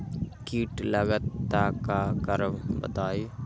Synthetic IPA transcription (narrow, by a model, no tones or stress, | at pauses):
kiːʈləɡət̪ːakakəɾəʋbə̰t̪aːi